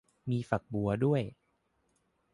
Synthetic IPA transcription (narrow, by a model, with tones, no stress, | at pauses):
miː˧fa˨˩k̚bu˧ɐdu˥˩əj